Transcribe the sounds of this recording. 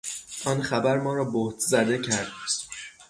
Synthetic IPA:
ʔɒːnχæbæɾmɒːɾɒːboht̪ʰzæd̪e̞cʰæɾd̪̚

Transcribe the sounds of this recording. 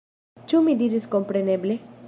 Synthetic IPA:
t͡ʃumid̪iɾiskompɾeneble

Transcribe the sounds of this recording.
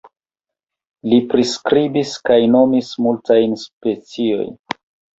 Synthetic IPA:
lipɾiskɾibiskajno̞mismultajnspe̞t͡sio̞̰jn

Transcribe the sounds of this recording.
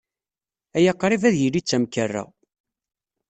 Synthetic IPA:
æjəqːɾˤivæðjəlːit͡sːæmkərːæ̰

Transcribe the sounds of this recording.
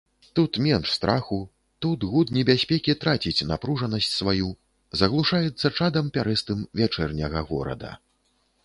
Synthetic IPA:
t̪ut̪mʲɛnʂst̪ɾʔaxu | t̪ut̪ɣut̪nʲɛbʲasʲpʲɛkʲit̪ɾat͡sʲit͡sʲnapɾuʐɐnɐsʲt͡sʲsvaju | zɐɣlˠuʂajɛt̪sːɐt͡ʂad̪ɐmpʲaɾɛst̪ɨmvʲat͡ʂɛrnʲɐɣɐɣɔ̰ɾɐ̰d̪ɐ̰

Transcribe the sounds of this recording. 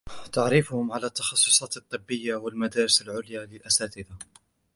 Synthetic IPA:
t̪aʕɾifʊhʊmʕalaːt̪ːɑxɑsˤːʊsˤɑːt̪ɨt̪ˤːɨbːɪjːawalmad̪aːɾɪsalʕʊljaːlɪlʔasaːt̪ɪd̪a

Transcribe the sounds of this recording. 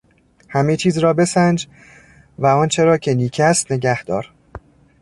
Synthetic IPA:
hæme̞t͡ʃʰiːzɾɒːbe̞sænd͡ʒ | væɒnt͡ʃʰe̞ɾɒːcʰe̞niːcʰæst̪ne̞ɟæhd̪̥ɒːɾ

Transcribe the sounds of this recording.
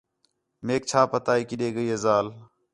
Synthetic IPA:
meːk̚t͡ʃʰaːpət̪aːiːkɪɗeːɡəiːɦezaːl

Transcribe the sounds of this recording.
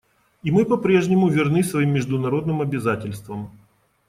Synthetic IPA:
imɨpɐpɾʲe̞ʐnʲɪmʊvʲɪrnɨsvɐimːʲɪʐd̪ʊnɐɾo̞d̪nɨmɐbʲɪzatʲɪlʲst̪vəm

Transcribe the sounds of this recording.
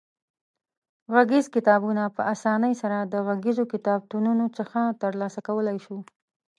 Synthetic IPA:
ɣaɡizkɪt̪ɑbunapəasɑnəjsaɾad̪əɣaɡizokɪt̪ɑb̚t̪ununot͡səxat̪əɾlɑsakawəlajʃu

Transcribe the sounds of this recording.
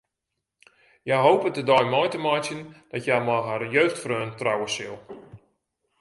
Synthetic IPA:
jajɦowpətədɔjmɔjtəmɔjtjənd̥ɔtjajmɔɦarjøːxtfrøːntrawəsɪ̰lˠ

